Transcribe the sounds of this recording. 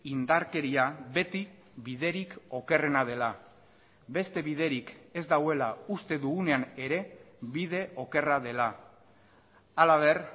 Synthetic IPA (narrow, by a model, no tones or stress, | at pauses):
ind̪aɾke̞ɾiaβe̞t̪i | βiðe̞ɾiko̞ke̞re̞nað̞e̞la | be̞st̪e̞βið̞e̞ɾike̞zd̪awe̞laust̪e̞ðuɣune̞ane̞ɾe̞ | βiðe̞ʔo̞ke̞rað̞e̞la | alaβe̞r